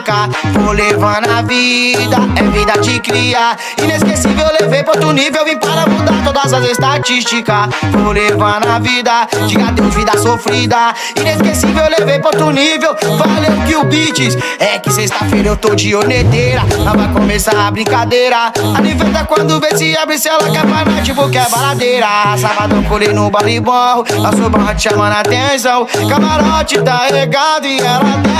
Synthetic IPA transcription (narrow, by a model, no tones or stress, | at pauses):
kɐvolevãnavid̪ɐɛvid̪ɐt͡ʃɪkɾiɐ | ĩneskesivewleveɾpɾt̪enivewĩpaɾamũd̪aɾt̪od̪ɐzazest̪at͡ʃist͡ʃikɐvolevanavid̪ɐd͡ʒiɡad̪ewzvid̪asofɾid̪ɐ | ĩneskesivewleveɾpɾot̪enivewvaleʊkɪʊbit͡ʃɪs | ɛkɪsest̪ɐfejɾɐewt̪od͡ʒioɾnet̪ejɾɐɛlavajkõmesaɾabɾĩkad̪ejɾɐalĩvɛt̪akwɐ̃nd̪ʊvesɪabɾisɛlɐkɛmajmazd͡ʒɪpokɛbaɾad̪ejɾɐsavad̪õw̃kolenʊbalɾibahʊasubɐ̃hɐd͡ʒɪʃamɐ̃nat̪ẽsɐ̃w̃kamaɾɔt͡ʃɪt̪aeleɡãd̪ʊɪɛlat̪ɛ